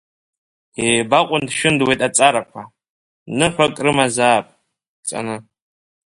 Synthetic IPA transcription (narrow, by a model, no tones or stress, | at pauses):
ebaqʷʼʊndʃᶣɪndwejtʼat͡sʼaɾakʷʰa | nɨħᶣʷakʼrɨmazaːpʼ | t͡sʼa̰nɨ